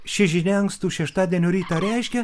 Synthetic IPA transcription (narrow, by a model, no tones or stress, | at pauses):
ʃʲɪʒʲɪnʲɛɐŋkst̪uːʃʲɛʃt̪ɑːd̪ʲeɛnʲoɾʲiːt̪ɐɾʲɛɪʃʲkʲɛ